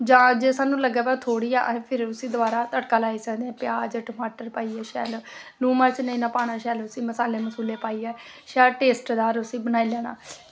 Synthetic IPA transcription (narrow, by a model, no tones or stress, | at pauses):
d͡ʒãːd͡ʒeːsaːnũːləɡːɛːpɛːt̪ʰoːɽiːɛ̰ːʔpʰɪɾʊsiːd̪ʊaːɾaːt̪əɽkaːlaːiːsəkd̪eːɛ̃ːpɪjaːd͡ʒaːʈəmaːʈəɾpaːiːɛːʃɛ̰ːlonuːmaɾt͡ʃnəĩːnãːpaːɽ̃aːʃɛːlʊsiːməsaːleːməsuːleːpaːiːɛː | ʃɛːlʈeːsʈd̪aːɾʊsiːbənaːiːlɛːna̰ː